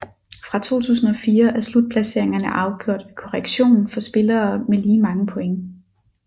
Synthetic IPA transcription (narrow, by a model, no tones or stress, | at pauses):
fʁɑ̈t͡sʰo̝̰ːt͡sʰṵːsn̩ɒ̽fiːɐʔæɐslud̥̚pʰlæse̝ɐ̰eŋɐnəʔɑ̈ʊɡ̥jo̝ɐ̰d̥ekʰɒʁeɡ̥ɕo̝̰ːnn̩fɒ̽sb̥e̝lɐːmeliːmɑ̈ŋəpʰo̽eŋə